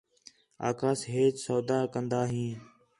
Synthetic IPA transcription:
a̰ːkaːsɦeːt͡ʃsoːd̪aːkənd̪aːɦĩː

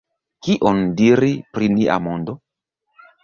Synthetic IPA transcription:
kiʔondiɾipɾiniʔa̰mo̞ndo

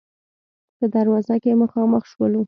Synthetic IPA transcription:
pəd̪aɾwɑzakeməxɑməxʃwəlu

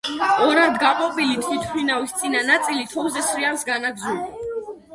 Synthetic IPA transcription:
ɔɾand̪ɡaqʼɔbʼilit̪ʰit̪ʰχʰlinawist̪sʼinanat̪sʼilit̪ʰɔwzɛsɾiafsɡanaɡzuli

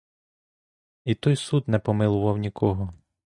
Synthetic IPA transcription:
it̪ɔjsud̪nɛpɔmɪlˠʊʋɐwnʲikʰɔɦɔ

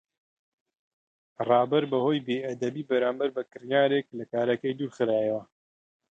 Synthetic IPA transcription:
rˤɑːbɐɾbɐhoːjbeːʔɐd̪ɐbiːbɐɾaːmbɐɾbɐkɨɾjaːɾek̚lɐkaːɾɐkɐjd̪uːɾχɨɾaːjɐwɐ

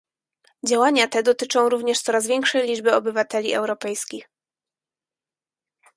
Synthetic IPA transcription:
d͡ʑawaɲat̪ɛd̪ɔt̪ɘt͡ʂɔ̃w̃ɾuvɲɛʂt̪sɔɾazvʲjɛŋkʂɛjlʲid͡ʐbɘɔbɘvat̪ɛlʲiɛ̰wɾɔpɛjskʲix

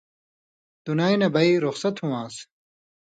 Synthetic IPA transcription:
d̪̥unaːjnɐbɐiɾuxsɐt̪ʰhũwãːs

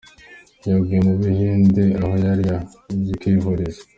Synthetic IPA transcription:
jaɡineβihiːndeahojaɾia | zikiɦoɾize̥

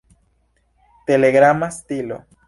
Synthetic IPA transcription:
te̞le̞ɡɾamastilo̞̰

